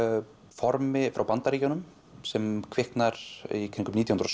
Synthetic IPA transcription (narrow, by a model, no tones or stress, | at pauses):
fɔɾmɪfɾawpant̪aɾiːcɔnʏm | sɛmkʰvɪhknaɾ̥ikʰɪɾniŋkʏmit̪jhnɾɔs